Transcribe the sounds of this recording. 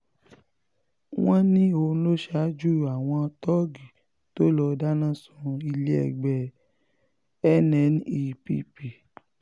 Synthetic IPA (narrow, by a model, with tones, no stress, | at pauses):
w̃ɔ̃˦nĩ˦o˧˦lo˦ʃa˨˦d͡ʒu˦ɾa˨w̃ɔ̃˧tɔ˦ɡi˨ | to˦lɔ˧da˦nã˦˨sũ˧i˧le˦ɛ̰˨ɡ͡bɛ˨ | ɛ˦nɛ̃˨˦ni˧pḭ˧pi˨